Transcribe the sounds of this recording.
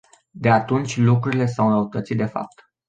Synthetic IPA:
d̪e̞at̪unt͡ʃʲlukɾuɾile̞sawnəut̪ət̪sid̪efa̰p̚t̪

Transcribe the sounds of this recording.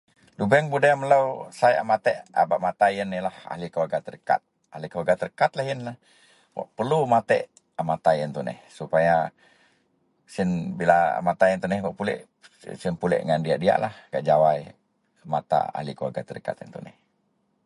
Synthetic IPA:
lubɛŋbudamələusaja̰mat̪ɛʔa̰baʔmat̪ajənːilaha̰hlikaɡat̪ərka̰t̪̚ | ahlikəaɡat̪ərkat̪lahɦɪnla | wa̰ʔpərlumat̪ɛ̰ʔ | amat̪ajənt̪unɛ̰hsupaja | sɪnbilaa̰mat̪aənt̪unɛhwaʔpulɛ̰ʔ | sɪnpulɛ̰ʔŋandiadia̰ʔlahɡaʔd͡ʒawaj | mat̪a̰a̰hlikəaɡat̪ərka̰t̪ə̰nt̪unɛ̰h

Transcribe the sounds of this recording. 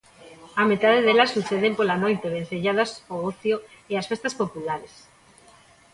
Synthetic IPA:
amet̪aðeðelasːuθeðempolanojt̪eβ̞en̟θeʎaðasooθjoeasfest̪aspopulaɾes

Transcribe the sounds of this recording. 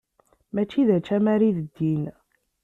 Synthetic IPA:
mæt͡ʃːiðæt͡ʃːæmæɾiðəd̪ːin

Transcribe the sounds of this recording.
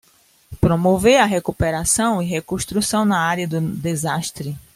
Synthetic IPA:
pɾomoveɾɐɦekupeɾasɐ̃w̃iɦekõʃt̪ɾusɐ̃w̃nɐaɾjɐd̪ʊd̪ezaʃt̪ɾɪ

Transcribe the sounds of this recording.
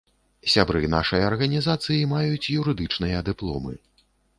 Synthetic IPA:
sʲabɾɨna̰ʂɐjɐrɣɐnʲizat̪sɨjimajut͡sʲjuɾɨd̪ɨt͡ʂnɨjɐd̪ɨplˠɔ̰mɨ̰

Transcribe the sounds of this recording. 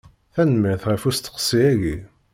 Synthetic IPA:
θænəmːiʁθʁæfust̪ːə̥qsˤiæʝi

